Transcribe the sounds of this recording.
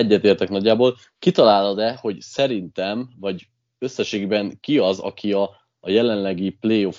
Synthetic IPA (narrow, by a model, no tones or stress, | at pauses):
ɛɟːɛt̪eːrt̪ɛknɒɟːaːboːl | kit̪ɒlaːlɒd̪ɛho̞ɟsɛɾint̪ɛmvɒɟ | ø̞sːɛʃeːɡibɛŋkiɒzɒ̰kʰiɒː | jɛlɛnlɛɡipleːjo̞f